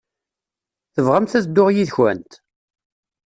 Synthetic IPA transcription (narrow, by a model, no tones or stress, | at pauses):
θəvʁəmθæθd̪ːʊʁjiðçwæ̰nt̪